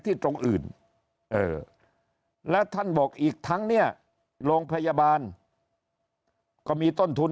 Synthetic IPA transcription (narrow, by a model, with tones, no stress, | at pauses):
t̪ʰiː˥˩t̪ɾo˧ŋʔɯ̰ː˨˩n | ʔɤː˨˩ | lɛː˦˥wt̪ʰa˥˩nbɔː˨˩k̚ʔiː˨˩k̚t̪ʰa˦˥ŋni˥˩ɐ | loː˧ŋpʰa˧jaː˧baː˧n | kɔː˥˩miː˧t̪o˥˩nt̪ʰu˧n